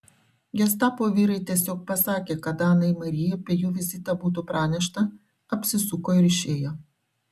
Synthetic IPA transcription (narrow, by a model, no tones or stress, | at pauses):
ɡʲɛs̬t̪ɑːpoːʋʲiːɾɐɪt̪ʲiɛsʲoːk̚pɐsɑːkʲeːkɐd̪ɑːnɐɪmɐɾʲɪjɛpʲeɛjuːʋʲɪzʲɪt̪ɑbuːt̪̬upɾɑːnʲɛʃt̪ɐ | ɐpʲsʲɪsʊkoːɪɾɪʃʲeːjoː